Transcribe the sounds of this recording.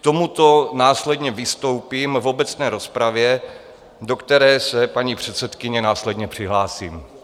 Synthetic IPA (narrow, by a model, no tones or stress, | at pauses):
kkt̪o̞mut̪o̞naːslɛdɲɛvɪst̪o̞wpiːmvo̞bɛt͡snɛːɾo̞spɾavjɛ | do̞kt̪ɛɾɛːsɛpaɲipr̝̥ɛt̪sɛt̪kɪɲɛnaːslɛdɲɛpr̥ɪɦlaːsiːm